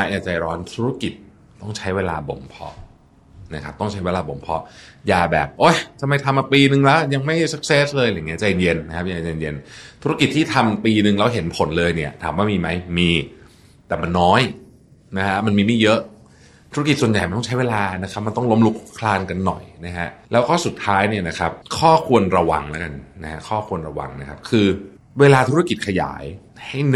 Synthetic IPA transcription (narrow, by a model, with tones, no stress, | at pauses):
a˦˥jaː˨˩k̚t͡ɕa˨˩˨ɾɔː˦˥nt̪ʰuː˦˥ɾa˦˥ki˨˩t̪̚ | t̪ɔ˥˩ŋt͡ɕʰa˦˥jweː˧la̰ː˧bo̰˨˩˦mpʰɔ̰˦˥ | na˦˥kʰa˦˥p̚t̪ɔ˥˩ŋt͡ɕʰa˦jweː˧laː˧bo˩˦mpʰɔ˦˥jaː˧˩bɛː˨˩p̚ʔo˦˥˩jt͡ɕa˧ma˧jt̪ʰa˧mːʔaː˧piː˧nɯ˧ŋlɛ˦˥wja˧ŋma˥˩jsa˦˥k̚seː˦˥slɤː˧ja˨˩ŋi˦˥˩t͡ɕa˧je˧nje˧nːa˦˥kʰa˦˥jaː˧˩t͡ɕa˨˧e˧nje˧nt̪ʰu˦˥ɾa˦˥ki˨˩t̪ʰːiː˥˩t̪ʰa˧mpiː˧nɯ˨˧ŋlɛː˦˥wɦe˩˦npʰo˩˦nlɤː˧jni˥˩ɐt̪ʰaː˩˦mwaː˥˩miː˧ma˦˥jmiː˧ | t̪ɛː˨˩ma˧nːɔː˦˥j | na˦˥kʰa˦˥ma˧nmiː˧miː˥˩jɤ˦˥ʔ | t̪ʰu˦˥ki˨˩t̪̚su˨˩əja˨˩jma˧nt̪ɔ˥ŋt͡ɕʰa˦˥jweː˧laː˧na˦˥kʰa˦˥p̚ma˧nt̪ɔ˥˩ŋlo˦˥mlu˦˥k̚kʰlaː˧nka˧nːɔ̰˨˩jna˦˥kʰa˦˥ʔlɛː˦˥wkɔː˥˩su˨˩t̪ʰːaː˦˥jni˥˩ɐna˦˥kʰa˦˥p̚kʰɔː˥˩kʰu˧ənɾa˧wa̰˧ŋlɛ˦˥ka˧nːa˦˥kʰa˦˥kʰɔː˥˩kʰu˧ənɾa˧wa̰˧ŋna˦˥kʰa˦˥p̚kʰɯː˧ | weː˧laː˧t̪ʰu˦˥ɾa˧˥ki˨˩t̪̚kʰa˧ja̰ː˩˦j | ha˥˩jn